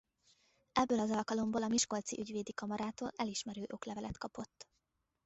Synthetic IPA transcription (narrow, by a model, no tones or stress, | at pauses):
ɛbːøːlɒzɒlkɒlo̞mboːlɒmiʃko̞lt̪sḭʔyɟveːd̪ikɒmɒɾaːt̪oːlɛliʃmɛɾøːʔo̞klɛvɛlɛt̪kɒpo̞t̪ː